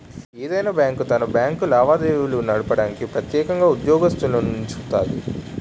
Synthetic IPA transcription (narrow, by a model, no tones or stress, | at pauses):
eːd̪ɐjnabjaːŋkut̪ɐnɐbjaːŋkulaːʋaːd̪eːʋulunɐɽupɐɽaːnikipɾɐt̪jɛːkɐŋɡaːud̪jɔːɡɐst̪ɐlonuɲt͡ʃu̥kt̪a̰ːd̪i